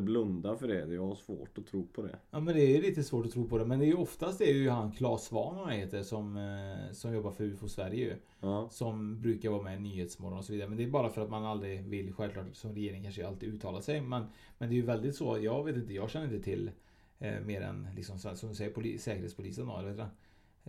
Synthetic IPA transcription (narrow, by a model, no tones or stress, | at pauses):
blɵnd̪afœɖɛd̪ɛjɑɡaʂvo̰ːʈɔt̪ʰɾuːpʰɔd̪ɛ̰jɑːmɛnd̪ɛæːɾjɵliːt̪əsvoːʈɔt̪ʰɾuːpʰɔd̪ɛmɛnd̪ɛɾjɵɔft̪ast̪̚d̪ɛæɾjɵɦankʰlɑːsvɑ̰ːnanheːt̪əɾsɔmsɔmjɔbːaɾfœɾʉːfɔsvæɾjəjɵ̰ | sɔmbɾʉːkaɾvɑːmɛnyːheːt̪smɔɾɔnɔsɔviːd̪aɾəmɛnd̪ɛːjbɑːɾafœɾat̪manald̪ɾɪvɪlɧɛlkʰlɑːʈsɔmɾɛjeːɾɪŋkʰanʂəjalt̪ɪʉ̟ːt̪ʰːɑːlasɛjmɛn | mɛnd̪ɛːjʏvɛld̪ɪt̪soːjɑːɡveːt̪̬ɪnt̪əjɑːɡɕɛnːɾɪnt̪ət̪ʰɪl̰ː | meːɾɛ̰nlɪ̰ksɔmsɛsɔmd̪ɵsɛjːəɾpʰʊlḭːsɛːkəɾheːt̪spʰʊlḭːsənd̪ɔ̰hɛlheːt̪ɾan